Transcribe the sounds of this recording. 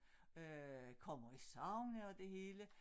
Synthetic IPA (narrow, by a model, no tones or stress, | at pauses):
økʰɒ̽m̰ɐisɑ̈ʊnəɒ̽d̥e̝ɦe̝ːlə